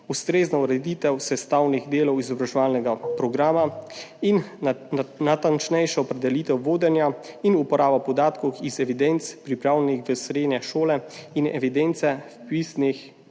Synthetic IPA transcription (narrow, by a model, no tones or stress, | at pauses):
ust̪ɾeːznauɾɛd̪iːt̪ɛwsɛst̪aːwniɣd̪eːlɔwizɔbɾaʒɛʋaːlnɛɡapɾɔɡɾaːmain | nat̪ant͡ʃnɛjʃɛɔpɾɛd̪ɛlit̪ɛwʋoːd̪ɛnjainupɔɾaːbapɔd̪aːt̪kɔwxizɛʋid̪ɛnt̪spɾipɾaːwlɛnixʋəsɾeːd̪nʲɛʃoːlɛinɛ̰ʋid̪ɛnt̪sɛfpisnix